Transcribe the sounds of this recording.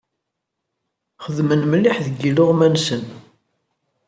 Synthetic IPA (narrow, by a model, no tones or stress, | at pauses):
χəðmənməlːɪħðəɡːilʊʁmænsən